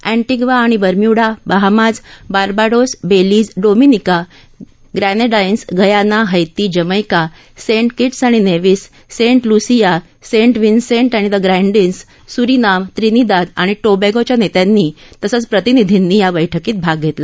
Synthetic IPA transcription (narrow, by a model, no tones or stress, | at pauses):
æ̃ɳʈiɡʋaːɽ̃ibəɾmjuɽabaɦmad͡zbaɾbaɽosbeliːd͡zɖominika | ɡɾæneɖajnsɡəjanaɦəjt̪iːd͡ʑəməjka | seɳʈkiʈsaɽ̃ineʋiːsː | eɳʈlusija | sẽɳʈʋinseɳʈaɽ̃id̪əɡɾɛ̃ɳɖinsː | uɾinamt̪ɾinid̪ad̪aɽ̃iʈobeɡot͡ɕjanet̪janːit̪əsət͡spɾət̪inid̪ʱinːiːjaʋəjʈʰəkiːt̪̚bʱaɡɡʱet̪la